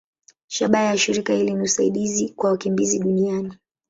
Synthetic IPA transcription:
ʃaɓajaʃiɾikailiniusaḭɗizikwawakimbiziɗuniani

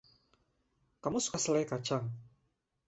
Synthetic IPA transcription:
kamusu̥kasəlajkḁt͡ʃaŋ

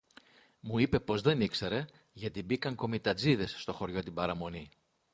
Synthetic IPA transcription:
muipe̞po̞zðe̞nikse̞ɾe̞ | ʝɐt̪ibikɐŋko̞mit̪ɐd͡ziðe̞sːt̪o̞xo̞ɾʝo̞t̪ibɐɾɐmo̞ni

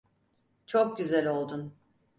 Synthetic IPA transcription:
t͡ʃʰok̚ɟyzælʲo̞lˠd̪un

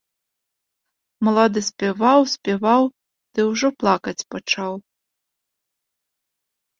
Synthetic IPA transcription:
mɐlˠad̪ɨsʲpʲɛvawsʲpʲɛvaw | d̪̥ɨwʐɔplˠakɐt͡sʲpat͡ʂaw

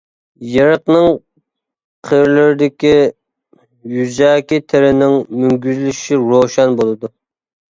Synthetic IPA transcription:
jɨɾəqnɨŋ | qʰəɾlɪɾɪd̪ɪkʲi | jyzɛːkʲit̪ʰɪɾɪnɪŋmyŋɡʲyzlyʃiɾoʃɛnbolˠɨd̪u

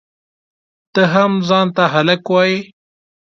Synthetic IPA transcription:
t̪əɦamzɑːnt̪aɦalakwɑːji

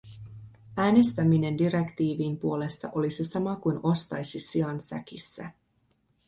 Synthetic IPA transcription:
æːne̞st̪æmine̞ndiɾe̞kt̪iːʋiːmpuo̞le̞st̪ɑ̰ʔo̞lisisɑmɑkujno̞st̪ɑjsisiɑnsæ̰kisːæ̰

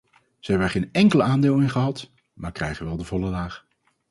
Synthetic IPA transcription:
z̥əɦɛbnɛɹχejnɛŋkələaːndɪːlˠɪnχəɦɑt | maːɹkrɛjχənʋɛlˠdəvɔləlaːχ

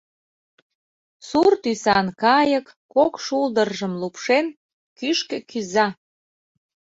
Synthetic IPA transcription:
surt̪ysɑnkɑjəkːokʃuld̪ərʒə̆mlupʃen | kyʃkĕkyzɑ

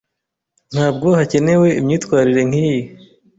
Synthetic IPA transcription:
n̥haːb̚ɡo̞hace̞ne̞we̞imɲiːtkwaːɾiɾe̞ŋ̥iji

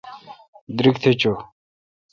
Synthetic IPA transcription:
d̪ɾik̚t̪ʰet͡ɕo

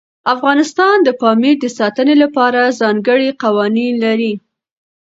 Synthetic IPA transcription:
afɣɑnɪst̪ɑnd̪əpɑmiɾd̪əsɑt̪ənelapɑɾazɑŋɡəɽiqawɑninlaɾi

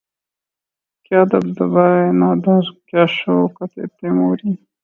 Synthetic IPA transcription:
kjaːd̪ɐb̚d̪ɐbaenaːd̪aɾkjaːɕokat̪ḛp̪emoːɾi

